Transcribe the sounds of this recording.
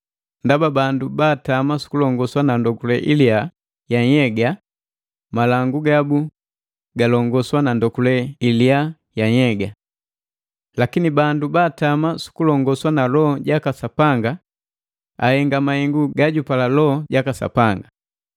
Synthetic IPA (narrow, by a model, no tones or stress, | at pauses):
ndababandubaːtamasu̥kulɔŋɡɔswanandɔkulɛʔilia | jaɲɛɡa | malaŋɡuɡabu | ɡalɔŋɡɔswanandɔkulɛilia | jaɲɛɡa | lakinibandubaːtamasu̥kulɔŋɡɔswanalɔhɔɟakasapaŋɡa | a̰hɛŋɡamahɛŋɡuɡaɟupalalɔɔɟakasa̰paŋɡa